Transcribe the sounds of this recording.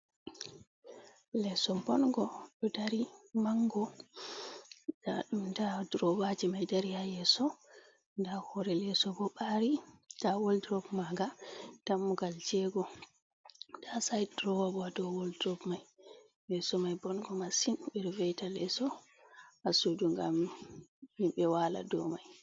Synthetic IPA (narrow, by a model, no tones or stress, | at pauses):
lɛsɔbɔnɡɔɗɔdaɾimaŋɡɔ | daɗumdadɾɔwad͡ʒimajdaɾihajɛsɔ | ndahɔɾɛlɛsɔbɔɓaɾitawɔldɾɔbmaɡatamːuɡalt͡ʃɛɡɔ | dasajdɾɔwabɔadɔwɔldɾɔbmaj | bɛsɔmajbɔnɡɔmasimɓɛɾvɛjtalɛsɔ | asuduŋɡa̰m | himɓɛwala̰dɔ̰maj